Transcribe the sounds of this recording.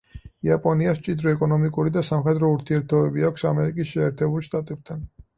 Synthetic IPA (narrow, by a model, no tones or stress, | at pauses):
iapʼɔniast͡ʃʼid̪ɾɔɛkʼɔnɔmikʼuɾid̪asamχɛd̪ɾɔuɾt̪ʰiɛɾt̪ʰɔbɛbiakʷʰsamɛɾikʼisʃɛɛːɾt̪ʰɛbulˠʃt̪ʼat̪ʼɛb̥̚t̪ʰan